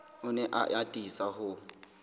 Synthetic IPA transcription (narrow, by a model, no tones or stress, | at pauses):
ʊnɛʔa̰ʔatʼisahʊ